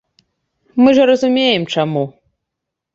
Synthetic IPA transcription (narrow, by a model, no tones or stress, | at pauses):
mɨʐɐɾɐzumʲejɛmt͡ʂamu